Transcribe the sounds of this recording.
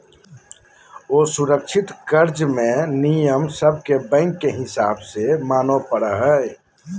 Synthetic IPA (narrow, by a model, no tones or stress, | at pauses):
oːsuɾəkʃʰɪt̪kəɾd͡ʒmẽnijəmsəb̚ʱkebɛ̃ːŋkːeɦɪsa̰ːbsemaːnopəɽəɦɛ